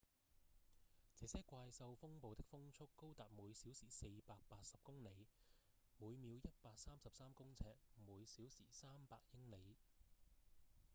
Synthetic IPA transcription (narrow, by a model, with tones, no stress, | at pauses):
t͡sɛː˨˧˥sɛː˥kʷaː˧jsɐ˧wfʊ˥ŋpo˨wt̪ɪ˥k̚fʊ˥ŋt͡sʰʊ˥kːo˥wt̪aː˨p̚muː˨˧jsiː˨˥wsiː˨˩se˧jpaː˧k̚paː˧t̚sɐ˨p̚kʊ˥ŋne˨˥˧j | muː˨˧jmiː˨˧wjɐ˥t̚paː˧k̚saː˥msɐ˨p̚saː˥mkʊ˥ŋt͡sʰɛː˧k̚muː˨˧jsiː˨˥wsḭː˨˩saː˥mpaː˧k̚jɪ˥ŋne˨˧j